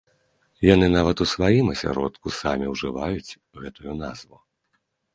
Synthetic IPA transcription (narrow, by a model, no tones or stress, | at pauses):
janɨn̪avɐt̪usvajimɐsʲa̰ɾɔ̰t̪kusamʲiwʐɨvajut͡sʲ | ɣɛt̪ujun̪a̰zvu